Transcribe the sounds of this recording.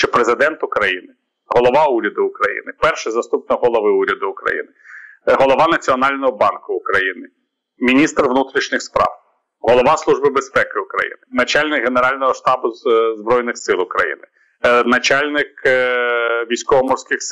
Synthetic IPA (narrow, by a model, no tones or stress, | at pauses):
ʃt͡ʃɛpɾezɪd̪ɛnt̪ʊkɾɐjinɪ | ɦɔlˠɔʋɑuɾʲɐd̪ʊːkɾɐjḭnɪpɛrʃɛzɐst̪up̚nɔɦɔlˠɔʋɪuɾʲɐd̪ʊʊkɾɐ̰jḭnɪɦɔlˠɔʋɑnɐt͡sʲiɔnɑlʲnɔɦɔbɑnkʊʊkɾɐjinɪ | mʲinʲist̪rʋnut̪ɾʲiʃnʲɪxspɾɑ̰w | ɦɔlˠɔʋɑslˠuʒbɪbespɛkɪʊkɾɐ̰jḭnɪnɐt͡ʃɑlʲnɪkɦeneɾɑlʲnɔɦɔʃt̪ɑbʊzbɾɔjnɪxsɪlˠʊkɾɐ̰jḭnɪ | nɐt͡ʃɑlʲnɪk | ʋʲijsʲkɔʋɔmɔrsʲkɪxs